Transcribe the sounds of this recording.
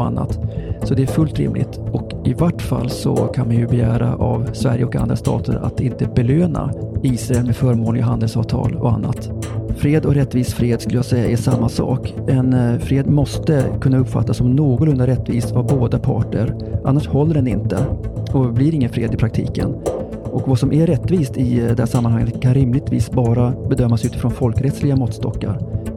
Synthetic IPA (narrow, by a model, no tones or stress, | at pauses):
ɔa̰nːa̰t̪sɔd̪ɛæɾfɵlt̪ɾɪ̰mlɪ̰t̪ɔk | ɪvaʈːfa̰lːsɔ̰kʰanmanjɵbɛjæːɾaʔavsvæɾjəɔka̰nd̪ɾast̪ʰɑ̰ːt̪ə̰ɾa̰t̪ɪnt̪əbɛløːna̰iːsɾaɛlmɛːd̪fœːɾmoːlɪɡaɦand̪əlsɑːvt̪ʰɑ̰ːlɔa̰nːa̰t̪fɾeːd̪ɔkɾɛt̪ːviːsfɾɪheːd̪skɵləjɑasɛjːaʔɛʂamːasɑ̰ːkɛnfɾeːd̪mɔst̪əkʰɵnːaɵpːfa̰t̪ːasɔmnoːɡɔɾɵnd̪aɾɛt̪ːviːst̪vaboːd̪apʰɑ̰ːʈə̰ɾ | ʔa̰nːaʂhɔlːəɖɛnɪ̰nt̪ə̰ɔblɪɾɪŋːənfɾeːd̪ɪpʰɾakt̪ʰḭːkə̰n | ʔɔkvasɔmʔɛɾɛt̪ːviːst̪ɪɛæʂamːanhaŋːət̪kʰanɾɪmlɪɡ̚t̪vḭːsbɑːɾabɛd̪œmːasʉ̟ːt̪ɪ̥fɾɔnfɔlkɾɛt̪slɪɡamɔt̪st̪ɔ̰kːa̰ɾ